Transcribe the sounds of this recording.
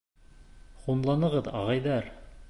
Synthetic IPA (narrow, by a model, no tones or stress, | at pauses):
χumlˠɑnɤ̆ʁɤðɑ̰ʁɑjðɑɾ